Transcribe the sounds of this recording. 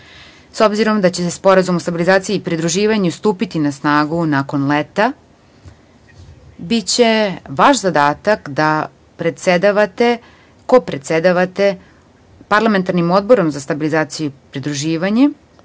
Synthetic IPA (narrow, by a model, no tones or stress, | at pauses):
so̞bziɾo̞md̪at͡ɕeespo̞ɾazumost̪abilizaːt̪sijiːipɾid̪ɾuʒiːʋaɲust̪uːpit̪inasnaːɡunako̞nlet̪a | bit͡ɕe̞ʋaʃzad̪aːt̪akd̪a | pɾet̪sed̪aʋat̪e | ko̞pɾet̪sed̪aʋat̪e̞ | paɾlˠame̞nt̪aɾnimo̞d̪̚bo̞ɾo̞mzast̪abilizaːt̪sijupɾid̪ɾuʒiːʋaɲe